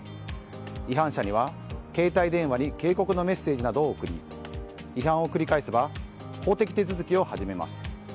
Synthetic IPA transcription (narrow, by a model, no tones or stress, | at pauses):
iɦãɕaɲ̟iβa | ke̞ːt̪aid̪ẽ̞ɰ̃βaɲ̟ike̞ːko̞kɯ̟no̞me̞sːe̞ːʑinad̪o̞ːɯkɯ̟ɾʲḭ | iɦãɰ̃o̞kɯ̟ɾʲikaisɨba | ho̞ːt̪e̞kʲi̥t̪e̞t͡sɨzɨkʲio̞haʑime̞ma̰sɨ̥